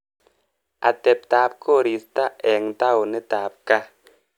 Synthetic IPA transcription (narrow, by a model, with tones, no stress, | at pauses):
a̰˨tɛ˨p̚taː˨˦p̚kʰo˦˨ɾi˨sta˦ʔɛ˨ŋta˦o˨nɪ˦taː˨p̚ka˦